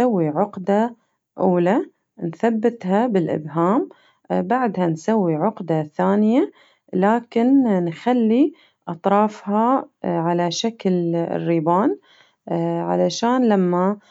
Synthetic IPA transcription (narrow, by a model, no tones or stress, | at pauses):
awːiʕʊqd̪a | ʔuːla | nθabːɪt̪habɪlʔɪ̰bɦaːm | baʕd̪hansawːiʕʊqd̪aθaːnɪja | laːkɪnnxalːi | ʔɑt̪ˤɾˤɑːfhɑʕalaʃakl̰rːibaːn | ʕa̰laʃaːnlamːa